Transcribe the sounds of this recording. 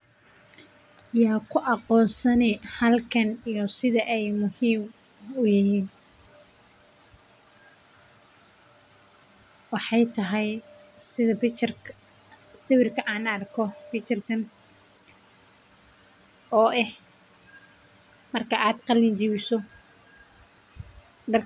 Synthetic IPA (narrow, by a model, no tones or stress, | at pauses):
jaːkʰʊʔɑqɔːnsɐnɛhɐlkʰɐnijɔsɪðɐʔɛjmʊhiːm | ʊjɪjiːn | wɑħɑjt̪ʰɐɦɛjsɪðɐbɪt͡ʃr | sɪwɪrkʰɐʔaːnɐrkʰɔfɪt͡ʃɐrkʰɐn | ɔːʔɛh | mɐrkʰɐʔaːd̪qɑlɪnt͡ʃɪβɪsɔ | ɖɐr